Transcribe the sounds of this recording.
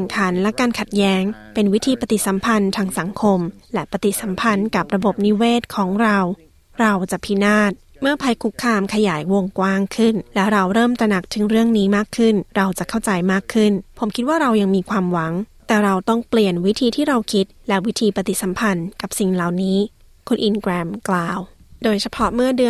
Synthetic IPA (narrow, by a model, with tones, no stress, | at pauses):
ŋkʰa˨˦nlɛ˦˥kaː˧nkʰa˨˩t̪̚jɛː˦˥ŋpe˧nwi˦˥t̪ʰiː˧pa˧t̪i˨˩t̪̚sa˩˦mpʰa˧nt̪ʰaː˧˥ŋsa˩˦ŋkʰo˧mlɛ˦˥pa˧t̪i˨˩sa˩˦mpʰa˧nka˨˩p̚ɾa˧bo˨˩p̚ni˦˥weː˥˩t̪̚kʰɔː˩˦ŋɾa˧w | ɾa˧wt͡ɕa˨˩pʰi˦˥naː˥˩t̪̚ | mɯ˥˩ɐpʰa˧jkʰu˦˥kʰːaː˧mkʰa˧jaː˩˦jwo˧ŋkwaː˥˩ŋkʰɯ˥˩nlɛː˦˥wɾa˧wɾɤː˥˩mt̪ɾa˧na˨˩k̚t̪ʰɯ˨˩˦ŋɾɯ˥˩əŋniː˦˥maː˥˩kʰːɯ˥˩nɾa˧wt͡ɕa˨˩kʰa˥˩wt͡ɕa˧jmaː˥˩kʰːɯ˥˩npʰo˩˦mkʰi˦˥t̪̚waː˥˩ɾa˧wja˧ŋmiː˧kʰwaː˧mwa˩˦ŋt̪ɛː˨˩ɾa˧wt̪ɔ˥˩ŋpli˨˩ənwi˦˥t̪ʰiː˧t̪ʰiː˥˩ɾa˧wkʰi˦˥t̪̚lɛ˦˥wi˦˥t̪ʰiː˧pa˧t̪i˨˩sa˨˩˦mpʰa˧nka˨˩p̚si˨˩ŋla˨˩wniː˦˥ | kʰo˧nʔi˧nkɾɛː˧mklaː˨w | doː˧jt͡ɕʰa˧pʰɔ˦˥mɯ˥˩ɐdɯ˧